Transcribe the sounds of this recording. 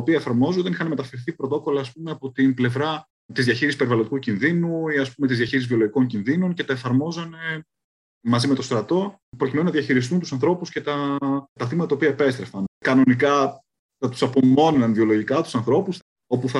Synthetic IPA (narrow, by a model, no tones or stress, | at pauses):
opiɐefɐɾmo̞zuðeixɐnme̞t̪ɐfeɾθipɾot̪o̞ko̞lɐːspumeɐpo̞t̪inble̞vɾɐ | t̪izðʝɐçiɾisi̥speivɐlod̪ikucinðinuiɐspume̞t̪izðʝɐçiɾis̬zvio̞loʝiko̞ŋcinðino̞nce̞t̪ɐe̞fɐɾmo̞zɐne | mɐzimet̪o̞st̪ɾɐt̪o̞ | pɾo̞cimenunɐðiɐçiɾist̪unt̪usɐnθɾo̞pusce̞t̪ɐt̪ɐθimɐt̪ɐt̪ɐoiɐepe̞st̪ɾefɐnkɐno̞nikɐ | θɐt̪u̥sɐpomo̞nenɐnðio̞lo̞ʝikɐt̪usɐnθɾo̞pus | o̞puθɐ